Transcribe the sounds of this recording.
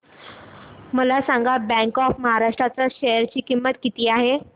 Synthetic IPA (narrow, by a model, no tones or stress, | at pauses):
məlasaŋɡabɛ̃ŋkɔfməɦaɾaʂʈɾat͡saɕejəɾt͡ɕiːkimːət̪kit̪iːaɦe